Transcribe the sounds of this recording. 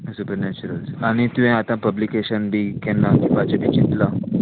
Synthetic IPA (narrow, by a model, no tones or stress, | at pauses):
supəɾnet͡ɕuɾəlsaɽ̃it̪ũɦɛ̃at̪ãpəblikeɕənbʱiːkɛ̃nakĩbad͡ʑeb̪it͡ɕit̪la